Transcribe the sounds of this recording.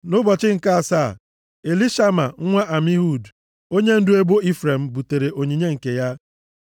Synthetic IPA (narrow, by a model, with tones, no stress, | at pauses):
nʊ˦bɔ˨t͡ʃɪ˦ŋ̩˨ka˦a˨sa˦˨ | e˨li˦ʃa˦ma˨ŋ̩˦ŋʷa˦ʔa˨mi˦ɦu˨d | o˦ɲe˦n̩˦dʊ˦e˦bo˦i˦fɾe˨m̩˨bu˨te˨ɾe˨ʔo˨ɲi˨ɲe˦ŋ̩˨ke˨ja˦